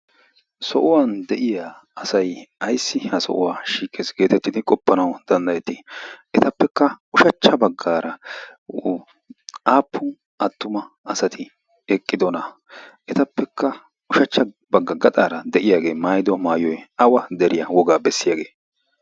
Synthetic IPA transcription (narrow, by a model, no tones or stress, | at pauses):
sɔʔʊwaːnd̪ɛʔɪjaː | ɐsɐjɐjsːɪhɐsɔ̰ʔʊ̰waːʃiːkʼːeːsɡe̞ːt̪ɛt̪ːɪd̪ɪkʼɔpːɐnɐwd̪̥ɐnd̪ɐjɛt̪ːɪʔɛt̪ɐpːɛkːɐʊʃɐt͡ʃːɐbɐɡːaːɾɐ | aːpːʊ | ɐt̪ːʊmɐ | ɐsɐt̪ʰɪ | ɛkʼːɪd̪ɔnɐ | ʔɛt̪ɐpːɛkʰːɐ | ʊʃɐt͡ʃːɐ | bɐɡːɐɡɐt̪ʼaːɾɐd̪ɛʔɪjaːɡe̞ːmaːjd̪ɔmaːjɔjɐwɐd̪ɛɾɪjɐwɔɡaːbɛsːɪjaːɡe̞ː